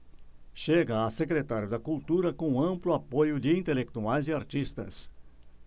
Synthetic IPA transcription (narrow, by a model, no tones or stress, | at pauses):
ʃeɡɐːsekɾet̪aɾjʊd̪ɐkult̪uɾɐkõɐ̃mplʊapojʊd͡ʒɪĩnt̪elek̚t̪uajzɪaɾt͡ʃist̪ɐ̰s